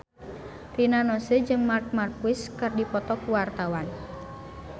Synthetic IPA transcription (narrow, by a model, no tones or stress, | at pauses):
rinanɔsed͡ʒɨŋmark̚markuɪskərdipɔt̪ɔkuwart̪awan